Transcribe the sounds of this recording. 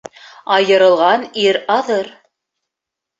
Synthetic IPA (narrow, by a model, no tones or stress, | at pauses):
ɑjɤ̆ɾɤ̆lˠʁɑniɾɑðɤɾ